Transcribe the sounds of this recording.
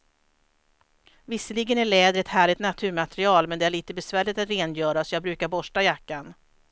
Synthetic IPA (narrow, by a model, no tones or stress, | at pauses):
vɪsːəliɡənæɭɛːd̪əɾɛt̪hæːɭɪt̪nat̪ʰʉ̟ːɾmat̪ɾɪɑːlmɛnd̪ɛæɭiːt̪əbɛsvæːɭɪt̪at̪ɾeːnjœːɾasɔjɑːɡ̚bɾʉ̟ːkaɾbɔʂʈajakːan